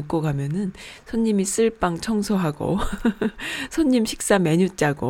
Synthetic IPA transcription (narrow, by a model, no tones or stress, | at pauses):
k͈oɡamjʌnɯnsʰʌɲːimis͈ɯɭp͈aŋt͡ɕʰʌŋsʰoɦaɡo̰ | sʰʌɲːimɕʰi̥k̚s͈ame̞ɲut͡ɕ͈aɡo̰